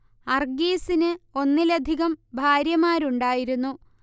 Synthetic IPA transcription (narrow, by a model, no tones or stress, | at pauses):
ɐrɡiːsinɨo̞nːilɐd̪ʱiɣɐmbʱaːɾjɐmaːɾuɳɖaːjiɾunːu